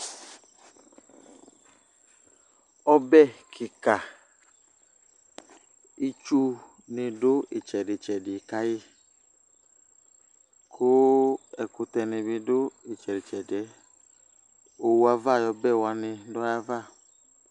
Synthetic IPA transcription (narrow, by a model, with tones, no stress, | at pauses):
ɔ˦bɛ˦˨kʰɪ˨ka˨ | i˦t͡ʃu˦ | nɪ˧dʊ˦ɪ˨t͡ʃɛ˨dɪ˨t͡ʃɛ˨dɪ˨ka˦jɪ˦ | kʰʊ˦ɛ˨kʊ˧tɛ˧nɪ˧bɪ˧dʊ˦ɪ˨t͡ʃɛ˨dɪ˨t͡ʃɛ˨dɪ˨ɛ˨˦ | o˨wu˦a˧va˦˨jɔ˧bɛ˦˨wa˧nɪ˧dɔ˦ja˧va˦˨